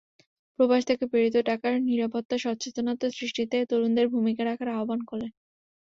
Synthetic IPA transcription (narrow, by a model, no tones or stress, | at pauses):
pɾobaʃt̪ʰekepeɾit̪̬oʈakaɾniɾapot̪ːaʃɔtt͡ɕet̪onat̪asɾiʃʈit̪et̪oɾund̪eɾbʱumikaɾakʰaɾaobankoɾle